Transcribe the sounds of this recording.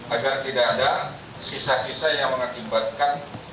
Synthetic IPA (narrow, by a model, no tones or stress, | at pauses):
ʔaɡart̪idaːda | sisasisajaŋməŋakimbat̪̚kan